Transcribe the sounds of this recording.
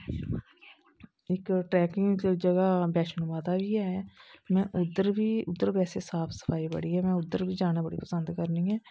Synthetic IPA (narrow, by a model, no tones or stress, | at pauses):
ɪkʈɾɛːkɪŋɡd͡ʒəɡaːbɛːʃənmaːt̪aːbiːɛːɛːmɛ̃ːʔʊd̪əɾbiːʊd̪ːəɾbɛːseːsaːpʰsə̥pʰaːiːbə̰ɽiːɦɛːmɛ̃ːʊd̪ːəɾbiːd͡ʒaːneːbəɽḭːpəsənd̪kəɾniːɛː